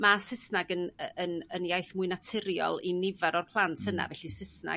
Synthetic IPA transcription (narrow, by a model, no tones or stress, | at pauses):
masɪsnaɡənəənənjajθmʊɨnatʰɪɾjɔ̰lˠinɪvaɾɔrpʰlˠantʰhəna̰vɛɬisɪsna̰